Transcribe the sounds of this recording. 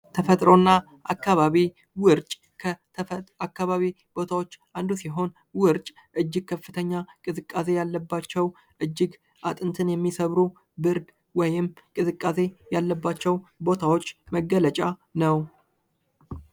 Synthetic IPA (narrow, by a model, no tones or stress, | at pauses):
t̪ʰəfət̪ʼɾo̞nːa | ʔakːaβaβi | wɨɾt͡ʃʼ | kʰə | akːaβaβi | b̥o̞t̪ʰawo̞t͡ʃː | and̪usiɦo̞n | wɨɾt͡ʃʼ | ʔɨd͡ʒːɪɡ̚kʰəfːɨt̪ʰəɲːakʼɨzɨkʼːase̞jalːəbːat͡ʃːɛw | ʔɨd͡ʒːɪɡ | at̪ʼɨnt̪ʰɨnjɛmːisəβɾu | bɨɾɡ | wɔjɪmːkʼɨzɨkʼːase̞jalːəbːat͡ʃːɛwbo̞t̪ʰawo̞t͡ʃːməɡːələt͡ʃʼanəw